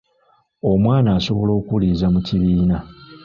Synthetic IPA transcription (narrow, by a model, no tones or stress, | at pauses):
o̞mwaːnaːso̞βo̞lo̞ːkuliːzamuciβiːna